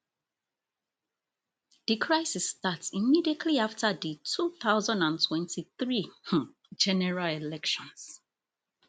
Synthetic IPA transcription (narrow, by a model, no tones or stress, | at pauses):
ðikʰɹaɪsistatsimidiətʰliaftʰəðitʰuθaʊzãndãntʰwɛ̃ntʰiθɹi | d͡ʒɛnɛɹalɛlɛkʃɔ̃ns